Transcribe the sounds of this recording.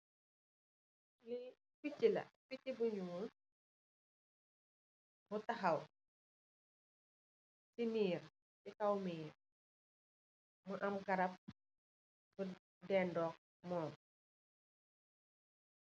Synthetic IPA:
li | ficːilɐ̰ficːibuɲuŋu | butɐɦɐw | siniːr | sikɐwmiːr | muʔɐmɡɐɾɐp̚ | bu | dɛːndɔːk̚ | mɔːn

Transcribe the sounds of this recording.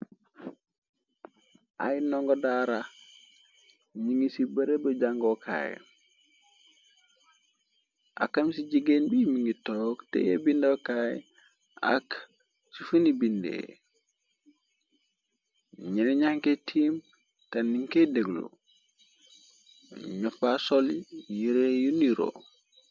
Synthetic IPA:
ʔa̰jnɔŋɡodaɾa | ɲiŋisibɐɾebəd͡ʒaŋɡokʰa̰j | ʔa̰kamsiɟiɡenbiːmiŋitoktḛjḛbindokaj | a̰k | t͡ʃifunibindḛ | ɲɛnɛɲaŋketʰiːm | tanːiŋkedeɡlṵ | ɲɔfasɔljiɾejuniɾo̰

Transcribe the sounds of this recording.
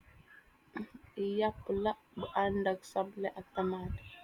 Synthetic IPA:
ijapːəla | bəʔandaɡsableʔatːamada

